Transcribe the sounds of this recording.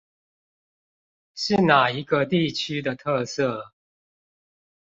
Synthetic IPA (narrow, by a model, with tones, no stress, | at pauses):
ʂɻ̩˥˨na˨˩i˨˦ɡə˧t̪i˥˨t͡ɕʰy˥d̪ə˨t̪ʰɤ˥˧sɤ˥˩